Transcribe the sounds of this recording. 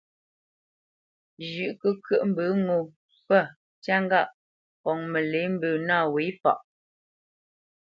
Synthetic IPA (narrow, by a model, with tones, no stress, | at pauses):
d͡ʒʉ˨ʔkə˦kɥə˦ʔm̩˦˨bə˨˦ŋo˨ | pə˦˨ | t͡ʃa˦ŋ˦ɡa˦˨ʔ | kɔ˨ŋmə˨le˨˦m̩˦bəː˨na˦˨we˨˦fa̰˨ʔ